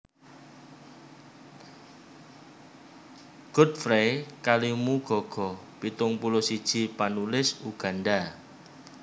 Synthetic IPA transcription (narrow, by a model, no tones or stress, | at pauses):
ɡ̥ʊ̤t̪̚fɾekalimuɡ̥ɔ̤ɡ̥ɔpit̪ʊŋpulɔsid̥ʒ̥i̤panulɪsuɡ̥a̤nda